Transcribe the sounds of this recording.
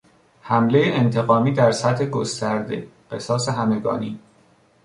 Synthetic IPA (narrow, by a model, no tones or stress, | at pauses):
hæmle̞jeʔent̪ʰe̞ɣɒːmiːd̪æɾsæt̪he̞ɡost̪æɾd̪e̞̰ɢe̞sɒːse̞ɦæme̞ɡɒ̰ːniː